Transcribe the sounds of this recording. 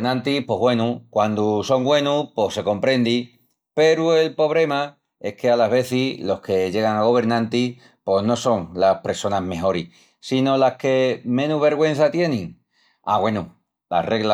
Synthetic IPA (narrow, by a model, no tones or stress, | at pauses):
nãnt̪ipwo̞ɦβwe̞nukwand̪uso̞ŋɡwe̞nupo̞se̞ko̞mpɾẽ̞nd̪i | pe̞ɾue̞lpo̞βɾe̞ma | e̞̰shke̞alaɦβe̞θilo̞hke̞ʝe̞ɣ̞aŋaɣ̞o̞β̞e̞ɾnãnt̪i | po̞zno̞so̞ŋlahpɾe̞so̞naɦme̞ho̞ɾi | sino̞lahke̞mẽ̞nuβe̞ɾɣwe̞n̟θat̪je̞nĩŋ | a̰ɣwe̞nu | la̰re̞ɣla